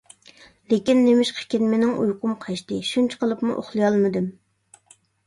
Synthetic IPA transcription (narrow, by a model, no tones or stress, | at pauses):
lekʲinːemɪʃqʰe̥kʲinmɪnɪŋʔṵjqʊmqʰɑʃt̪ɨʃunt͡ʃʰi̥qʰəlˠɨpmṵʔo̰χlˠɨjɑlˠmɨd̪ɨm